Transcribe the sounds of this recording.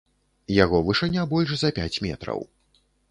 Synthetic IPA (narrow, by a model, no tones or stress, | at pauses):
jaɣɔvɨʂɨnʲːabɔlʲʂzɐpʲat͡sʲmʲɛt̪ɾɐ̰w